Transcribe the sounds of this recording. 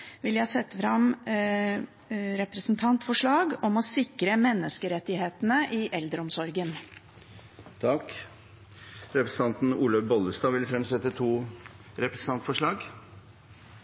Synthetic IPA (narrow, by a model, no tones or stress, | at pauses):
ʋɪljæhɑsɛt̪ːfɾɑm | ɾɛpɾəsnt̪ʰɑnt̪fɔʂɭɑːɡɔmɔsɪkɾəmɛnːəskəɾɛt̪ːɪheːt̪nəʔɪʔɛld̪ɾəɔmsɔɾɡən | t̪ʰɑk | ɾɛpɾəsn̩t̪ʰɑnt̪n̩uːləbɔləst̪ɑːʋɪlfɾɛmsɛt̪ːət̪ʰuː | ɾɛpɾəsn̩ɑnt̪fɔʂɭɑːɡ